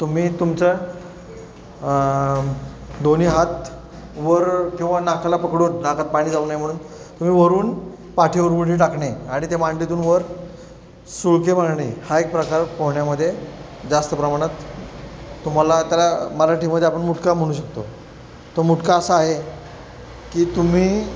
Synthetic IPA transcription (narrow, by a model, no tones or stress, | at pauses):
t̪um̤iːt̪umt͡sa | d̪oniːɦat̪ | ʋəɾkĩw̃ʋanakʰalapəkɽuːnnakʰat̪̚paɽ̃iːd͡zaunajm̤əɽ̃uːn | t̪um̤iːʋəɾuːn | paʈʰiuɾbuʈiːʈ̬akɳeaɽ̃it̪emaɳʈit̪uːnʋəɾ | suɭkemaɽɳehaek̚pɾəkaɾpəɦɳjaməd̪ʱːje | d͡zast̪əpɾəmaɽ̃at̪ː | um̤alat̪jalaməlaʈʰiːmːəd̪ʱːjeapəɳmuʈkam̤əɽ̃uːɕək̚t̪o | t̪omuʈkaəsaːɦe | kiːt̪um̤iː